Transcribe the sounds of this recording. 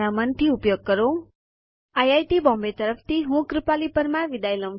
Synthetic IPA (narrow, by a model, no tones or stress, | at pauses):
ɾamənt̪ʰiupjoɡ̚kəɾo | ajajʈibɔ̃mbet̪əɾəpʰt̪ʰiɦũkɾipalipəɾmãʋid̪ajlə̃m